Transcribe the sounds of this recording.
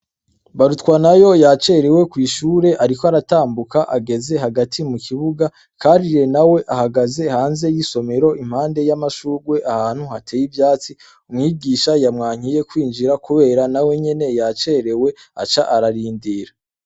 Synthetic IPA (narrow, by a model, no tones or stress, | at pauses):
βaɾutkwanajo̞jat͡ʃe̞ɾewe̞kwiːʃuːɾe̞ʔaɾikoaɾataːmbukaʔaɡe̞ze̞ɦaɡatʰimukʰiβuɡa | kaːɾiɾe̞nawe̞ʔahaɡaze̞haːnze̞jiso̞me̞ɾo̞ʔim̥haːnde̞jamaʃuːɾɡwe̞ʔahaːn̥huhatʰeːjibjaːt͡si | umŋiːɡiːʃajamŋaːɲ̥ije̞kwiːnd͡ʒiɾakuβe̞ːɾanawe̞ɲe̞ne̞jat͡ʃe̞ɾewe̞a̰t͡ʃaʔaɾaɾiːndiɾa